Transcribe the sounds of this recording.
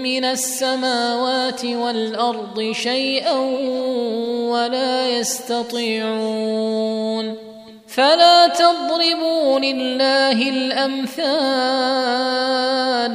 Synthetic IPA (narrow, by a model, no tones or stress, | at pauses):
mɪnasːamaːwaːt̪ɪwalʔɑɾˤd̪ˤɨʃajʔan | walaːjast̪ɑt̪ˤiːʕu | n | falaːt̪ɑd̪ˤɾɪbuːlɪlːaːɦɪlʔamθaː | l